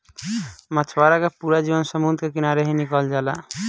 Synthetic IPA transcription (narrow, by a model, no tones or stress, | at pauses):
mət͡ʃʰwaɾakepuɾad͡ʒiʋənsəmund̪ʱkekinaɾeɦinikəld͡ʒala